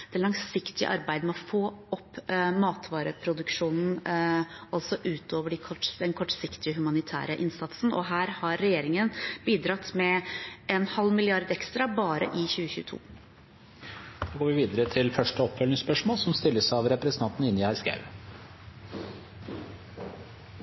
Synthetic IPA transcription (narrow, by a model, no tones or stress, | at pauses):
d̪̥ɛlɑŋsɪkt̪ɪə̰ʔɑ̰ɾbæɪd̪mɛɔfoːɔpːmɑːt̪ʰʋɑːɾəpʰɾʊd̪ʉkʂuːnn̩ | ɑlsɔʔʉːt̪ʰoːʋəɖɪkʰɔʈd̪ɛnkʰɔʈːsɪkt̪ɪəɦʉmɑnɪt̪ʰæ̰ːɾəʔɪnsɑt̪sn̩ʔɔ̰ɦæːɾhɑɾːɛjeːɾɪŋənbiːd̪ɾɑt̪ːmɛɛnhɑlːmɪlɪɑɾd̪ɛkst̪ɾɑbɑːɾə̰ʔɪçʉːəçʉ̰ːt̪ʰṵː | d̥̪oːɡoːɾʋɪʋiːd̪əɾət̪ʰɪlfœʂʈəɔpːfœlnɪŋspœʂmoːlsɔmst̪ɪlːəsɑʋɾɛpɾɛsənɑnt̪n̩ɪnːɪæɾskɑ̰ʉ